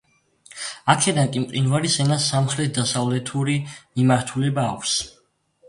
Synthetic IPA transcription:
akʰɛd̪ankʼimqʼinvaɾisɛnasamχɾɛt̪̚ʰd̪asavlɛt̪ʰuɾimimaɾt̪ʰulɛbaːkʷʰs

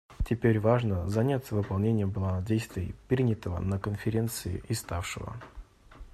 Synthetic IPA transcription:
tʲɪpʲeɾʲvaʐnəzɐnʲat̪sːəvɨpɐlˠnʲenʲɪjəbɨlˠadʲejst̪vʲɪpɾʲinʲɪt̪əvə̰nəkənfʲɪɾʲe̞nt̪sɨɪ̰ʔɪst̪afʂɨ̰və̰

